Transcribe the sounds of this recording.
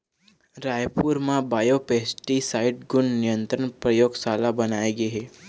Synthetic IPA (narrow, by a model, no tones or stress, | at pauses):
ɾaːjpuːɾmãbaːjopeːsʈisaːɪʈɡʊɳnɪjə̃nt̪ɾənpɾɐjoːɡsaːlabɐnaːeɡeɦɛː